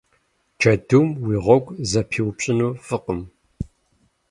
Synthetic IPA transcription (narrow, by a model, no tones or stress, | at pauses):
t͡ʃʰɐduːmwiːʁʷɔɡʷʼzɐpʰiwpɕʼɪnuːfɨqəm